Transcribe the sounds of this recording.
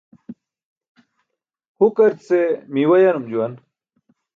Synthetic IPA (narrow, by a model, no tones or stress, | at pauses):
hukɐɾt̪semiwɐjɐnumd͡ʑuwɐn